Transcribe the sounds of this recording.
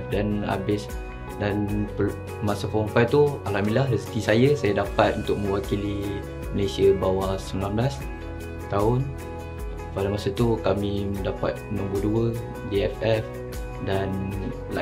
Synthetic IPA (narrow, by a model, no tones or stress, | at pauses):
dana̰bɪs | danpə | masafɔmfajt̪ualamilahrəst̪isajəsajadapat̪̚unt̪ʊk̚mə̃wakili | məlesiəbawasəmilanbəlas | t̪aʊn | padamasat̪ukamimədapa̰t̪̚nɔ̃mbuduə | diɛfɛf | dan | la̰